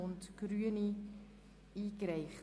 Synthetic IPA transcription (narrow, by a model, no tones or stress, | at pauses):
ɔntkruəni | ikrɛjχ